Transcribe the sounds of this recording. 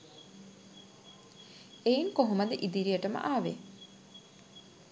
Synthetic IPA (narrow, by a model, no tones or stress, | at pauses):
ejiŋkoɦumɐd̪eʔid̪iɾijəʈəmə̰ʔaːʋḛ